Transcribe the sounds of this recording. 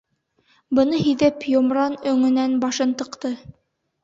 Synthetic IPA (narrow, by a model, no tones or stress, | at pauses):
bɤ̆nɤɦiðɘpjŏmɾɑnɵ̆ŋɘ̆nænbɑʃɤ̆nt̪ɤ̆qt̪ɤ